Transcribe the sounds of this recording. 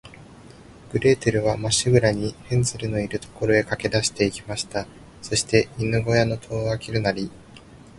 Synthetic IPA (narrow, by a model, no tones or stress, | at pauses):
ɡ̥ɯ̟ɾe̞ːt̪eɾɯ̟β̞amaɕiɡɯ̟ɾaɲ̟ihẽ̞nzɨɾɯ̟no̞iɾɯ̟t̪o̞ko̞ɾo̞e̞kake̞d̪aɕi̥t̪e̞ikʲimaɕi̥t̪a | so̞ɕi̥t̪e̞inɯ̟ɡo̞jano̞t̪ʰo̞ːakʲiɾɯ̟naɾʲi